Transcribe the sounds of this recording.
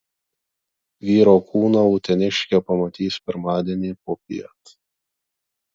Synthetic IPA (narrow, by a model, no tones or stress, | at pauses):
ʋʲiːɾoːkʰuːnɐʊt̪ʲɛnʲɪʃʲkʲɛpɐmɐt̪ʲiːspʲɪɾmɑːd̪ʲiɛnʲiːpoːpʲḭɛt̪